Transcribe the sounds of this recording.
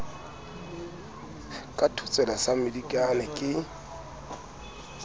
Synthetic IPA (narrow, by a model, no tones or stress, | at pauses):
kʼatʰut͡sʼɛlasamɪdikʼanɛkʼɪ